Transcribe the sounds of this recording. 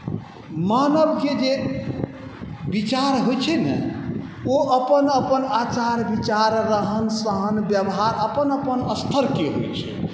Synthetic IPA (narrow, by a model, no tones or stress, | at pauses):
manəbked͡ʒe | bit͡ʃaɾɦojt͡ʃʰɛnɛ̰ | oʔəpənəpənat͡ʃaɾbit͡ʃaɾːəɦənsəɦənbjəbɦaɾəpənəpənəst̪ʰəɾkeɦo̰jt͡ʃʰɛ̰